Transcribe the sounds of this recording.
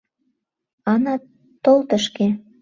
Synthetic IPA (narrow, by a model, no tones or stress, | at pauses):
ɑnɑ | t̪olt̪ə̆ʃke